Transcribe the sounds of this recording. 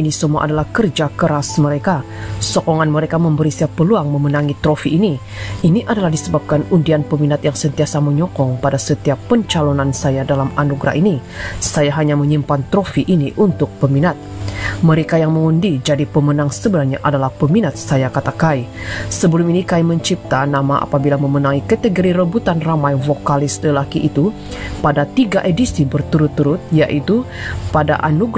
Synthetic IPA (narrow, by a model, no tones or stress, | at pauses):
inisəmua̰ʔadalahkərd͡ʒakəɾasməɾeka | sɔkɔŋanməɾekaməmbəɾisiapːəluaŋməmənaŋit̪ɾofiʔːni | iniʔadalahdisəbap̚kanundianpəminat̪jaŋsənt̪iasaməɲɔkɔŋpadasət̪iapːəɲt͡ʃalonansajadalamanuɡɾa̰ɦini | sajaɦaɲaməɲimpant̪ɾofiʔːniʔunt̪ʊk̚pəminat̪̚məɾekajaŋməŋundid͡ʒadipəmənaŋsəbənarɲaʔadalahpəminat̪̚sajakat̪akaisəbəluminikaiməɲt͡ʃip̚t̪anamaʔa̰pabilaməmənaŋikət̪əɡoɾiɾəbut̪anramajvokalɪsləlakiʔːt̪u | padat̪iɡaʔedisibərt̪uɾʊt̪ːuɾʊt̪̚ja̰ʔit̪u | pada̰ʔa̰nuɡ